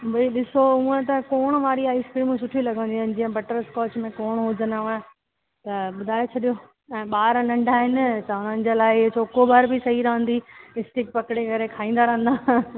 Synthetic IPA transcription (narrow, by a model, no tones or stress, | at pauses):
bɐiɗɪsoũẽt̪̬ɐkoːɽ̃maːɾiaːiskɾiːmsʊʈʰilɐɡʱə̃nd̪iɦn̆d͡ʑĩɦə̃bɐʈəɾskɔːt͡ɕmẽkɔːɽ̃ɦʊd͡ʑənaə | t̪ɐɓʊd̪ʱaːet͡ɕʰɐɗijo | ɛ̃ːɓaːɾnɐ̃ɳɖʱaːɦɪnɪ̆tɐʊn̤ənɪ̆d͡ʑeːlaːɪɪɦt͡ɕoːkobaːɾbɪsɐɦiɾɐɦə̃n̆d̪iɪst̪ɪkpɐkɪɽekɐɾekʰaːĩːnd̪aɾɐɦə̃n̆d̪aː